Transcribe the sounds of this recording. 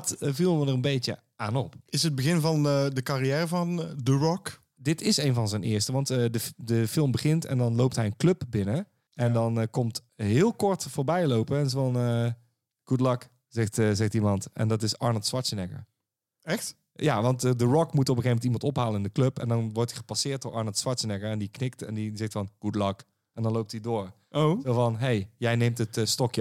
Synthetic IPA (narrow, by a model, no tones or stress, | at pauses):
tvilˠʋədərənbejtə̰ | ʔaːnɔpɪsəd̚bəɣɪnvɑndəkarijɛːrəvɑndəɹɔk | dɪtɪsejnvɑnzɛjnʔɪːɹstəʋɑntdədəfɪlˠmbəɣɪntɛ̰ndɑnlowp̚tɦɛjənklɵpbɪnə | ɛndɑnkɔmt | ɦɪːlˠkɔɹtfʊːɹbɛjlowpəɛnzɑnə | ɡ̥udlɑk | z̥ɛxtzɛxtimɑntʔɛ̰ndɔtɪsɑɹnəl̩ˠtsʋɑtsənɛkə̰ɹ | ɛxt | jaʋɑntdəɹɔkmutɔp̬əxejvmɛntimɑntɔpɦaːlənɪndəkløpɛ̰ndɔnʋɔɹtiχə̥pasɪːɹt̚doːɹɑɹnl̩ˠtsʋɑtsənɛkəɹɛndiknɪk̚tɛndizɛxtfɔnɡ̥udlɑk | ʔɛndɔnlowp̚tidoːɹ | ozovɔnɦejjɛjnejmtətstɔkjə